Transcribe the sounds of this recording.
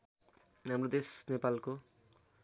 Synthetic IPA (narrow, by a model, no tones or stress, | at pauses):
namɾod̪esnepalko